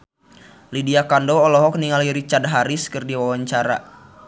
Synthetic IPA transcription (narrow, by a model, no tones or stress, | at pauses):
lidiakandɔːlɔɦɔk̚niŋaliɾit͡ʃard̚ɦaɾiskɨrdiwawaɲt͡ʃaɾa̰